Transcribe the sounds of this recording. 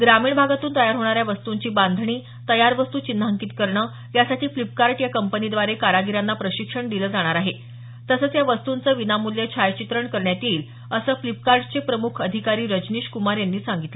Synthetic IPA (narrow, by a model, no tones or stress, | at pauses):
ɡɾamiːɳbʱaɡat̪uːnt̪əjaɾɦoɳ̃aɾjaʋəst̪uɲt͡ɕiːband̪ʱɳ̃iː | t̪əjaɾʋəst̪uːt͡ɕinːəɦəŋkiːt̪kəɾɳəː | jasaʈʰiːflip̚kaɾʈjakəmpənid̪ʋaɾekaɾaɡiɾanːapɾəɕikʂəɳd̪iləːd͡zaɽ̃aɾaɦe | t̪əsəːt͡sjaʋəst̪unt͡səːʋinamulːjet͡ɕʰajt͡ɕit̪ɾəɳkəɾɳjat̪iːl | əsəːflipkaɾʈt͡sepɾəmukʰəd̪ʱikaɾiːɾəd͡ʑniɕkumaɾjanːiːsaŋɡit̪lə